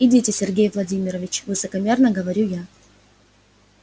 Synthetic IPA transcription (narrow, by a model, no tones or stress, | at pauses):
idʲitʲɪsʲɪrɡʲejvlˠɐdʲimʲɪɾəvʲɪt͡ɕvɨsəkɐmʲe̞rnəɡəvɐɾʲuja